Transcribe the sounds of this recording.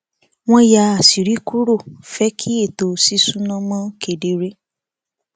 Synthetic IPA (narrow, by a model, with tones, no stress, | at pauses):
w̃ɔ̃˦ja˧a˨si˨ɾi˨˦ku˦ɾo˦˨fɛ˦kʰi˦e˦˨to˧si˦sũ˦nã˦mɔ̃˦ke˨de˨˦ɾe˦